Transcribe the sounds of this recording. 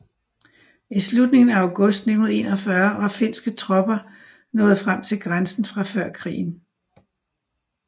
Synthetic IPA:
islud̥ne̝ŋn̩æaʊɡ̥ɔ̽sd̥nenðˠe̝̰ːnɒfɶɐʋɑ̈fe̝n̰sɡ̥ət͡sʰʁɒ̽b̥ɐ | nɔ̽ːð̞̩ˠfʁam̰t͡sʰe̝lɡ̥ʁansn̩fʁɑ̈fɶɐ̰kʰʁḭːn̩

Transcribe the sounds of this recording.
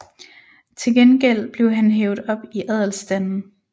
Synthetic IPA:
t͡sʰe̝lɡ̥enɡ̥el̰b̥le̝ʊɦænɦeːʊð̩ˠɒ̽b̥iʔɛð̰ˠl̩sd̥ænn̩

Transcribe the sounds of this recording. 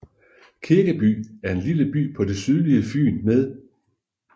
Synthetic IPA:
kʰiɐɡ̥æb̥y̰ːæɐe̝nliləb̥y̰ːpʰɒ̽d̥e̝syð̞ˠliəfy̰ːnmeð̞ˠ

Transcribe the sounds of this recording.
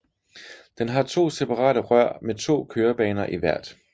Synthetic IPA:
d̥enɦɑ̈t͡sʰo̝̰ːsepʰɑ̈ʁɑ̰̈ːɾ̥əʁɶɐ̰met͡sʰo̝̰ːkʰøːɐb̥ɛ̰ːnɐʔiʋæɐ̰d̥

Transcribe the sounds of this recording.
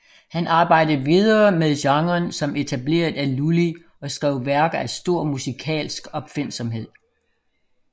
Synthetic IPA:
hænʔɑ̈ːb̥ɑ̈ɪ̰d̥əʋið̞ˠɐːmeðˠɕɑ̈ŋʁɐnsɒ̽me̝t͡sʰæble̝̰ːɐðˠæluli | ɒ̽sɡ̥ʁɛʊ̰ʋæɐɡ̥æsd̥o̝ɐ̰musikʰɛ̰ːlsɡ̥ɒ̽b̥fe̝n̰sɒ̽mɦe̝ð̞̰ˠ

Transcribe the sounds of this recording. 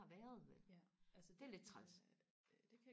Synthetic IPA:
ɑ̈ʋæɐð̞ˠʋelʔælsəd̥e̝æled̥̚t͡sʰʁas | d̥e̝kʰæ

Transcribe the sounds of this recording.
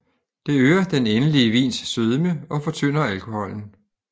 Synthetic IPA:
d̥e̝øːɐd̥enenəliəʋḭːnsːøð̞ˠəməɒ̽fɒ̽t͡sʰøn̰ɐælkʰo̝hɒ̽l̰n̩

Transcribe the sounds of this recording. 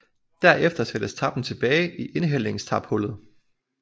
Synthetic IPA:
d̥æɐ̰efd̥ɐsæd̥əst͡sʰɑ̈b̥n̩t͡sʰe̝b̥ɛːɪʔiʔe̝nɦel̰e̝ŋst͡sʰɑ̈b̥hɔ̽l̰ð̞̩ˠ

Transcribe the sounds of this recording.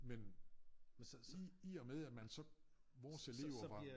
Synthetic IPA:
men | iɒmeð̞ˠædmænsɒ̽ | ʋɒːsele̝ːʊɐʋɑ̈

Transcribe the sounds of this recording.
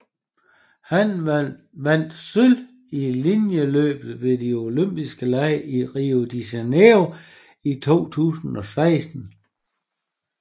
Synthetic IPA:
hæn | ʋæn̰d̥syl | ilinjəlø̰ːb̥ð̩ˠʋe̝dio̝løm̰b̥isɡ̥əlæɪiʁio̝d̥isaneo | it͡sʰo̝̰ːt͡sʰṵːsn̩ɒ̽sɑ̈ɪsd̥n̩

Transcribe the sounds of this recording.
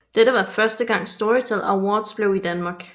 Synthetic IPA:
d̥eɾəʋɑ̈fɶɐsd̥əɡ̥ɑ̈ŋ̰sd̥ɔʁit͡sʰelæwɒːd̥sb̥le̝ʊid̥ænmɑ̈ːɡ̥

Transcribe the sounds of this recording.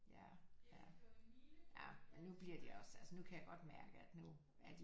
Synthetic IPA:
jæjæ | jæmenːub̥liɐd̥iɒ̽sælsənukʰæjäɪɡ̥ɒ̽d̥mæɐɡ̥əæd̥nu | æɐd̥i

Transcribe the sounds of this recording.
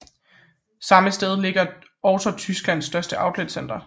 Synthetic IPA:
sɑ̈məsd̥eð̞ˠle̝ɡ̥ɐ | ɒʊt͡sɐt͡sʰysɡ̥læn̰sːd̥ɶɐsd̥əʔɑ̈ʊd̥led̥sen̰d̥ɐ

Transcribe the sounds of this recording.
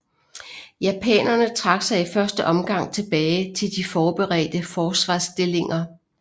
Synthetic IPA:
jæpʰɛ̰ːnɐnət͡sʰʁɑ̈ɡ̥sɑ̈ɪifɶɐsd̥əʔɒ̽mɡ̥ɑ̈ŋ̰t͡sʰe̝b̥ɛːɪt͡sʰe̝ld̥ifɒːb̥eʁɛ̰ːd̥əfɒːsʋɑ̰̈ːsd̥e̝le̝ŋɐ

